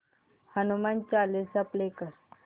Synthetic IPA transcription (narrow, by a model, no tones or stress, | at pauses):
hənumant͡ɕalesaplekəɾ